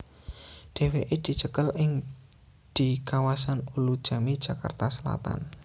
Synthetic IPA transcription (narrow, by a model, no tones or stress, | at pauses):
d̪̥e̤weʔed̪̥i̤t͡ʃəkəlɪŋ | d̪̥i̤kawasanulud̥ʒ̥a̤mid̥ʒ̥a̤ka̰rt̪asəla̰t̪a̰n